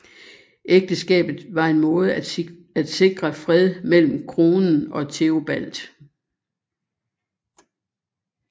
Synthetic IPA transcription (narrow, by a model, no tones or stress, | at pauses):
ʔeɡ̥̚d̥əsɡ̥ɛ̰ːb̥ð̩ˠʋɑ̈e̝nmɔ̽ːð̞̩ˠ | æd̥se̝ɡ̥ʁɐfʁɛð̞ˠmel̰m̩kʰʁo̝ːnn̩ɒ̽t͡sʰe̝ob̥æl̰d̥